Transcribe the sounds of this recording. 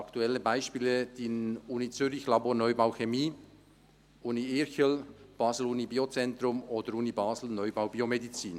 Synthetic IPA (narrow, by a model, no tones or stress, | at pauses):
ɑkt̪uɛlːəbaɪʃpiːləd̥inuːnit͡syɾɪçlɑboːnœʏbaʊxemiː | uːniɪɾçəlb̥ɑːsl̩uːnibiːot͡sɛntɾʊmoːdəɾuːnibɑːzl̩nœʏbaʊbiːomedit͡siːn